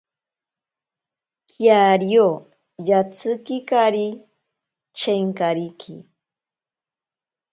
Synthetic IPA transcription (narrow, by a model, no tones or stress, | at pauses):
kjaɾjo | jat͡sʰɨkikaɾi | t͡ʃeŋkaɾikʰḭ